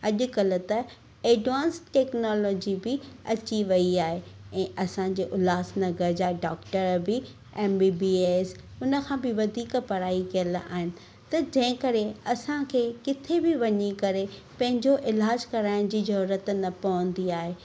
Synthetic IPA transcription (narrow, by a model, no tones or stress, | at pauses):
ɐʄʊkɐlʊ̆t̪ɐ | eːɖʋãːnsʈʈɛːknɔːloːd͡ʑibɪɐt͡ɕiʋɐiaːɦeɛ̃ːʔɐsãɲd͡ʑeːʔʊlaːsnɐɡəd͡ʑaːɖaːkʈəɾbɪ | eːmbiːbieːs | ʊnə̆kʰãːbɪʋɐd̪ʱiːkpɐɾaːikijəla̰ːɦɪnɪ̆ | t̪ɐd͡ʑɐ̃ɦɪ̃kɐɾeɐsãkʰeːkɪt̪ʰebɪʋɐɲikɐɾe | pɐ̃ɦɪ̃ɲd͡ʑoʔɪlaːd͡ʑkɐɾaːɪñd͡ʑiːzɐɾuːɾət̪nɐpɐʋə̃nd̪iaːɦeː